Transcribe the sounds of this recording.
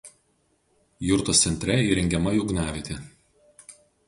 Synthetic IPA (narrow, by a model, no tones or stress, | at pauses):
jʊɾt̪oːssʲɛnʲt̪ʲɾʲɛiːɾʲɛŋʲɡʲɛmɐjʊːɡnʲæːʋʲet̪ʲɪ